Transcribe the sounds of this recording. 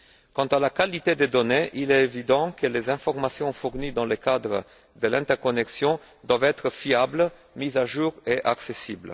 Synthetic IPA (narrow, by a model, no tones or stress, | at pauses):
kɑ̃t̪alakalit̪ed̪ed̪oneʔilɛevid̪ɑ̃kəlezɛ̃fɔʁmasjɔ̃fuʁnid̪ɑ̃ləkad̪ʁə̰ | d̪əlɛ̃t̪ɛʁkɔnɛksjɔ̃ | d̪wavɛt̪χəfiabl | mizaʒuːʁeʔaksesibl